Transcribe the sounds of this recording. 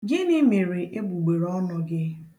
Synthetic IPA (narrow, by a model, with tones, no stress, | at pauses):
ɡɪ˦nɪ˦me˨ɾe˨ʔe˦ɡ͡bu˨ɡ͡be˨ɾɔ˦nɔ˨ɡɪ˦